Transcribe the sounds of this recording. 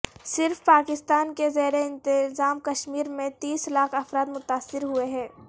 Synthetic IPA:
sɪɾfpaːkɪst̪aːnkezɐɦɾeɪ̃nt̪ɪzaːmkɐʃmiːɾmẽt̪iːslaːkʰɐfɾaːd̪mʊt̪aːsːɪɾɦueɦɛ̃ː

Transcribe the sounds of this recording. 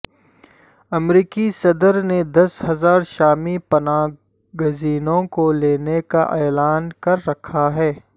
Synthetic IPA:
ɐmɾiːkisɐd̪əɾned̪ɐsɦɐzaːɾʃaːmipɐnaː | ɡəziːnõkoleːnekaʔɛːlaːnkɐɾːɐkʰaɦɛː

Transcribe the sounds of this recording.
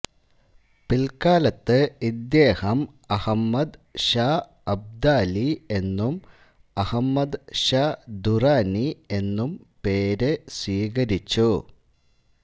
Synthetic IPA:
pilkaːlɐt̪ːɨid̪jeːhɐm | ɐhɐmːɐd̪ɕaː | ɐb̚d̪aːlie̞nːum | ɐhɐmːɐd̪ɕaːd̪uraːnie̞nːumpe̞ːɾeswiːɣɐɾit͡ɕːu

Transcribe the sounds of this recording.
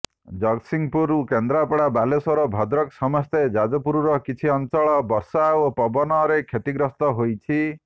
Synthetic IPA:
d͡ʒɔksiŋpuɾukend̪ɾapɔɽabalesɔɾɔbʱɔd̪ɾɔksɔmɔst̪ed͡ʒad͡ʒɔpuɾuɾɔkit͡ʃʰiɔnt͡ʃɔɭɔbɔɾsaopɔbɔnɔɾekʰet̪iɡɾɔst̪ɔɦojt͡ʃʰi

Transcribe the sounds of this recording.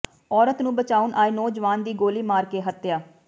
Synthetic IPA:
ɔːɾət̪nũːbət͡ʃaːʊnʔaːiːnoːd͡ʒʋaːnd̪iːɡoːliːmaːɾkeːɦət̪jaː

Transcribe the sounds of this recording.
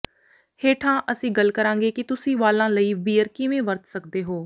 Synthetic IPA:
heːʈʰãːʔəsĩːɡəlkəɾãːŋɡeːkɪt̪ʊsĩːʋaːlãːləiːbiːəɾkɪʋẽːʋəɾt̪səkd̪eːɦoː

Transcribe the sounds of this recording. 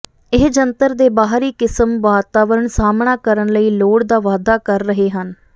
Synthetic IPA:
ɪɦd͡ʒənt̪əɾd̪eːbaːɦɾiːkɪsəmʋaːt̪aːʋəɾəɳsaːmɳaːkəɾənləiːloːɽd̪aːʋaːd̪aːkəɾːəɦeːɦən

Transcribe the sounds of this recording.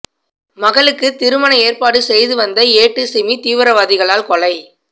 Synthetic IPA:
mɐɣɐɭɯkːɯt̪ɪɾɯmɐnɐeːrpaːɽɯsɛjðɯʋɐnd̪ɐeːʈːɯsɪmit̪iːʋɯɾɐʋaːðɪɣɐɭaːlkɔɭɐɪ

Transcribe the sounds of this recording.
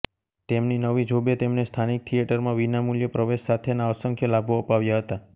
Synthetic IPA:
t̪emninəʋid͡ʒʱobet̪emnest̪ʰanik̚t̪ʰijeʈəɾmãʋinamuljəpɾəʋeʃsat̪ʰenaəsəŋkʰjəlabʱoəpaʋjaɦət̪a

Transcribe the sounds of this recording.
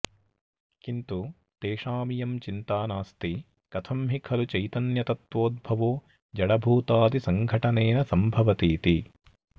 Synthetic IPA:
kint̪u | t̪eːʂaːmijɐmt͡ʃint̪aːnaːst̪i | kɐt̪ʰɐmɦikʰɐlut͡ʃɐjt̪ɐnjɐt̪ɐt̪ʋoːd̪̚bʱɐʋoː | d͡ʒɐɽɐbʱuːt̪aːt̪isɐŋɡʱɐʈɐneːnɐsɐmbʱɐʋɐt̪iːt̪i

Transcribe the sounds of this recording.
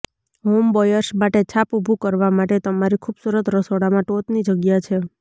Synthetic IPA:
ɦombɔjəɾsmaʈet͡ʃʰapubʱukəɾʋamaʈet̪əmaɾikʰubsuɾət̪ɾəsoɽamãʈot̪nid͡ʒəɡjat͡ʃʰe

